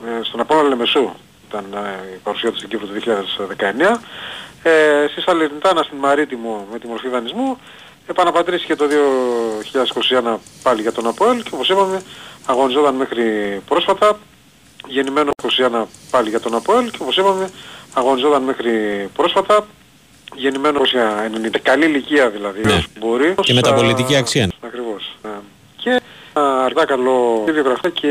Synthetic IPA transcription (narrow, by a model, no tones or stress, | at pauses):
st̪o̞nɐpoenɐleme̞su | it̪ɐnipɐɾusiɐt̪ust̪ɟipɾot̪uðioçiʎɐðesðe̞kɐe̞neɐ | st̪isɐleɾnt̪ɐnɐst̪inmɐɾit̪imume̞t̪imo̞ɾfiðɐnizmu | e̞pɐnɐpɐt̪ɾisice̞t̪o̞ðio̞çiʎɐðeskosiɐnɐpɐliʝɐt̪o̞nɐpoelceo̞po̞sipɐme̞ɐɣo̞nizo̞t̪ɐnme̞xɾipɾo̞sfɐt̪ɐ | ʝe̞nime̞nokosiɐnɐpɐliʝɐt̪o̞nɐpoelceo̞po̞sipɐme̞ɐɣo̞nizo̞t̪ɐnmexɾipɾo̞sfɐt̪ɐ | ʝe̞nime̞nosiɐenenit̪ɐkɐliliciɐðilɐðisbo̞ɾisemet̪ɐpolit̪iiɐksiɐɐkɾivo̞se | cʰe̞ɐɾt̪ɐkɐlo̞ðioɣɾɐfiɐcʰe